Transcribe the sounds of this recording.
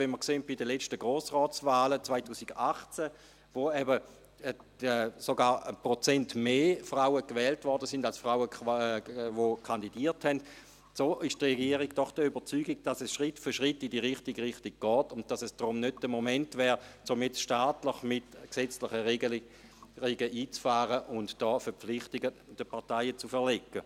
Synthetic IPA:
vɛnməɐkseːnt̚b̥idəlɛt͡ʃtəɡʁoːsʁɔːt͡svaːlət͡sʋvaɪtʰuːsiɡaχt͡sɛ | voɛbə | ɛsoɡaːʁpʁot͡sɛntmeːfʁaʊwəkvɛːltvɔʁdəsɪndalsfʁaʊə | vokʰandidiːɐthɛnd | soːʔɪʃtʁeɡiəʁiɡd̥ɔχd̥əybɐt͡syːɡiɡ̚d̥asɛsʃʁɪtfʏʃʁɪtːidiʁɪχtiɡʁɪχtiɡ̥̚ɡ̥ɔːtʊnd̚d̥asɛsd̥ʁʊmnød̚d̥əmomɛntvɛːʁt͡sʊmjɛt͡sʃtaːtləχmɪtksɛt͡slɪχə | ʁeɡəʔiːt͡sfaːʁəʔʊntd̥ɔːfɛɐp͡flɪχtɪɡəd̥əpʰaɐtaɪət͡sufɛʁlekːə

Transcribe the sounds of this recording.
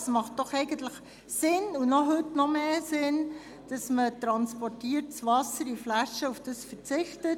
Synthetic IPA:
smɑχt̚d̥ɔχɛɪɡəntləχ | sɪnunɔɦøtnɔmeːsɪn | d̥ɑsmətɾɑnspɔrtiːərt̚t͡svɑsəɾiflæʃəufd̥əsfəɾt͡sɪχtət

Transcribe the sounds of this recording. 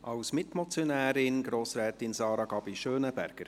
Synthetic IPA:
ʔɑwsmɪtmɔt͡sjonæːɾɪnɡɾoːsɾɛːtɪnsɑːɾɑɡ̥ɑbiʃøːnəbæ̰ɾɡ̥əɾ

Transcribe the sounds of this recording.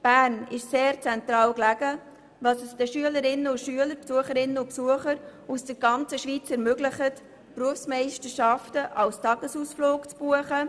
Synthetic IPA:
b̥æːrnɪʃseːɾt͡sɛntrɑːlklæɡ̥ə | dɑːsɛsd̥əʃyələɾɪnəʊntʃyələɾpsuəχəɾɪnəʊnpsuəχəɾusd̥əɾɡɑnt͡səʃʋiːt͡sɛɾmøɡlɪχət | pruəfsmɛɪʃtəɾʃɑftəʔɑlstɑɡ̥əsusfloːkt͡sb̥uəχə

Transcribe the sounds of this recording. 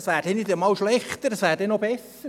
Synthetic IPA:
sʋæːɾd̥ɛnɪdəmɑwʃlɛχtəɾdɑsʋæːɾd̥ɛnobɛs | ə

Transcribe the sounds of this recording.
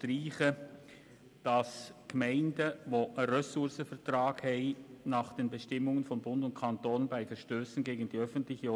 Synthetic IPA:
tʁiːχə | d̥ɑsɡ̥mɛɪndəvoʔəʁɛsʊɾsəfɛʁtrɑːkhɛɪnɑːχd̥eːnbəʃtɪmʊŋənfɔnbʊndʊntkʰɑntoːnbaɪfɛɾʃtøːsn̩ɡeːɡən̩d̥iːœfən̩tlɪçə

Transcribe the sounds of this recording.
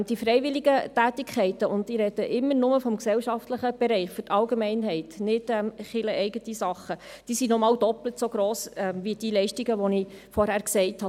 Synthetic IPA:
d̥ifɾɛɪvɪliɡətæːtikʰχɛɪtəʔʊndiɾɛd̥əʔɪmːəɾnʊməfɔmksɛlʃɑftləχəb̥ɛɾɛɪχfʏtɑlɡemɛɪnɦɛɪtnɪd̥ɛmχɪləɛɪɡətisɑχə | d̥iːsinɔmɑːld̥ɔplətsoɡ̥ɾoːsɛmvid̥ilɛɪʃtiɡəʋɔnɪfɔɾhæːɾksɛɪthɑ

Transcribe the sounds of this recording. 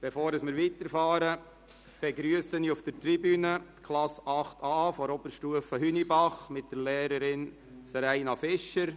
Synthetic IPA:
b̥efoːɾəsmɪɾʋit̪əɾfɑːɾə | b̥eɡɾyəsəniufd̥̪əɾt̪ɾibyːnət̪kʰlɑsɑχt̪ɑːfɔɾɔb̥əɾʃtuəfəɦynibɑχmɪt̚d̥̪əɾlɛːɾəɾɪn | sɾæɪnɑfɪʃːəɾ

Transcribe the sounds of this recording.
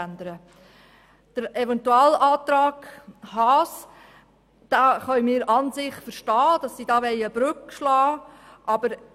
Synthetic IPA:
ændəɾə | d̥əɾɛvɛntuɑːlɑːt̪ɾɑːɡhɑːs | d̪̥aːχœmɪːɾɑnzɪχfəɾʃtɑːd̥ɑsːiːdɑːʋɛɪəb̥ɾʏkʃlɑːʔɑbəɾ

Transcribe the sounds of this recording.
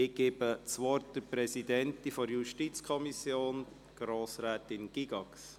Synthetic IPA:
ɪɡ̥eːbət͡sʋɔrt̚d̥əpɾɛsidɛntifɔɾjuʃtit͡skʰɔmisjoːn | ɡ̥ɾoːsɾɛːtɪnɡ̥iɡɑks

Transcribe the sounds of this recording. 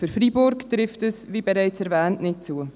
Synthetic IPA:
føɾfɾibʊɾktɾɪftəsvibɛɾɛɪt͡sɛɾvɛːntnɪt̚t͡suə

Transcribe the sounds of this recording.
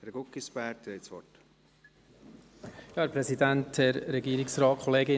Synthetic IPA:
ɛɾɡ̥ʊkːispæɾt̪ɛɪsʋɔ̰t | jɑːɛpɾɛsidæntɛɾːɛɡiːɾɪksɾɑːt̚kʰɔleːɡɪ

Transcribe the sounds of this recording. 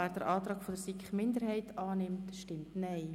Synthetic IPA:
æːɾd̥əɾʔɑːtɾɑːɡfod̥əɾsikχmɪndəɾhɛɪtɑːnɪmtʃtɪmtnɛɪ

